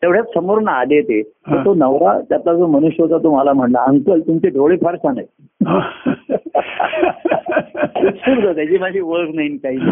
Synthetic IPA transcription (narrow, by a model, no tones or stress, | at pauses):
t̪eʋɽ̤jat͡ssəmoɾɳaalet̪et̪əɾt̪onəʋɾat̪jat̪lad͡zomənuɕjəɦot͡s̪at̪omalam̤əɳlaəŋkəlt̪umt͡ɕeɖʱoɭepʰaɾɕanaj | ɦ | suɾd͡z̪at̪ad͡ʑiːmad͡ʑʱiːʋəɭknainkaɦiːn